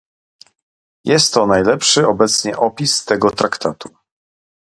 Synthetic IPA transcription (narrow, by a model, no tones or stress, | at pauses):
jɛst̪ːɔnajlɛpʂɘɔbɛt̪sɲɛʔɔpʲist̪ɛɡɔt̪ɾʔakt̪ʰat̪u